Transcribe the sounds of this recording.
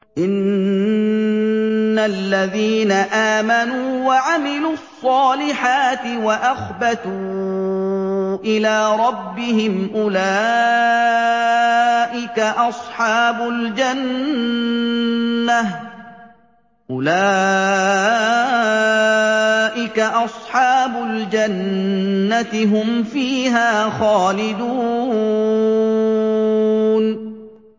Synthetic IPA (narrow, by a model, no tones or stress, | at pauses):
ʔɪn | alːaðiːnaʔaːmanuːwaʕamɪluːɑsˤːɑːlɪħaːt̪ɪwaʔaxbat̪uː | ʔɪlaːɾˤɑbːɪɦɪmʔʊlaː | ʔɪkaʔɑsˤħɑːbʊld͡ʒan | a | ʔʊlaː | ʔɪkaʔɑsˤħɑːbʊld͡ʒanː | at̪ɪɦʊmfiːɦaːxaːlɪd̪u | n